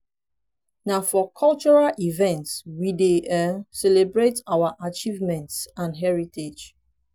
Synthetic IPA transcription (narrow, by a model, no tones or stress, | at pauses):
nafɔkʰɔlt͡ʃɔɹalivɛ̃ntswideɛsɛlebɹetawaʔat͡ʃivmɛ̃ntsãnɦɛɹited͡ʒ